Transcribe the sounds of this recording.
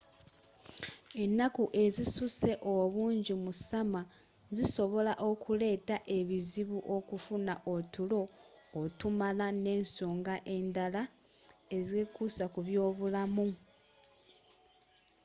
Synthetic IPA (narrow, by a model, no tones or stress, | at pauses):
e̞nːakuʔe̞zisuse̞ʔoβuːɲɟimusama | ziso̞βo̞laʔo̞kʰule̞ːtaʔe̞βiziβuʔo̞kufunaʔotulo̞ː | tumalane̞ːnsoːŋɡaʔe̞ndala | e̞ze̞kusakuβjo̞ːβulamu